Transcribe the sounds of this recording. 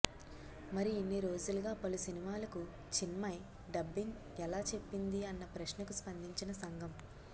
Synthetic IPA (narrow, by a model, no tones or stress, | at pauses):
mɐɾiinːiɾo̞ːd͡ʒuluɡaːpɐlusinimaːlɐku | t͡ʃinmɐj | ɖɐbːiŋ | ɛlaːt͡ʃe̞pːind̪iɐnːɐpɾɐʃnɐkuspɐnd̪ʱiɲt͡ʃinɐsɐŋɡʱɐm